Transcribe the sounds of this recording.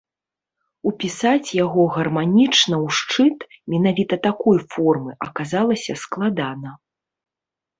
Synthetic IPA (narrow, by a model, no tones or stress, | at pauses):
upʲisat͡sʲjaɣɔɣɐrmanʲit͡ʂnɐwʂt͡ʂɨt̪mʲɛnavʲit̪ɐt̪akɔjfɔrmɨʔɐ̰kazalˠɐsʲɐsklˠad̪anɐ